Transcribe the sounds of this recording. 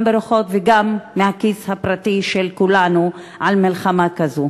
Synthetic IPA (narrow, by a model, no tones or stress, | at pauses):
beɾuχo̞t̪veɡamːehakishapɾat̪iʃelkulanu | ʕalmilχamakazu